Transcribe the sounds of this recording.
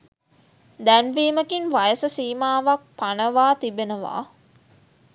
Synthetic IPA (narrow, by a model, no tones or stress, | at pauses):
d̪ænʋiːməkinʋɐjəsɐsiːmaːʋɐk̚pɐnɐʋaːt̪ibenɐʋa̰ː